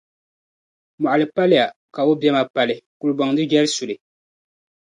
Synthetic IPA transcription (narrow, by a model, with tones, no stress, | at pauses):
mɔ˨ʔlɨ˨pa˦lɪ˦ja˨ | ka˨o˦bjɛ˦ma˨pa˨lɪ˨ku˨lɨ˦bɔ˨ŋdɨ˦d͡ʒɛ˦ɾsu˨lɨ˨